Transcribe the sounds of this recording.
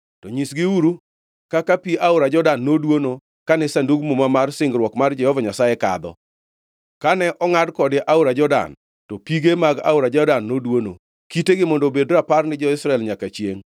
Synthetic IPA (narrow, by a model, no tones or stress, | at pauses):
tɔɲisɡɪuɾu | kakapiʔaʊɾad͡ʒɔdanːodwono | kanɛsanduɡmomamarsɪŋɡɾwɔkmard͡ʒɛhɔvaɲasaeka̰d̪ɔ̰ | kanɛʔɔŋadkɔdɪʔaʊɾad͡ʒɔda̰n | tɔpiɡemaɡa̰ʊɾad͡ʒɔdanːodwono̰ | kiteɡɪmɔndobedɾaparnɪd͡ʒɔɪsɾaɛlɲakat͡ʃjḛŋ